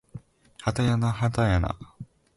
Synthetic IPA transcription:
hat̪ajanaɦat̪ajana̰

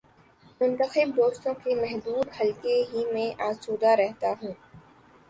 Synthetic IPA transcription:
mʊ̃nt̪əxɪb̚d̪oːst̪õkemɛɦd̪uːd̪hɐlkeɦimẽʔaːsuːd̪aɾɛɦt̪aɦũː

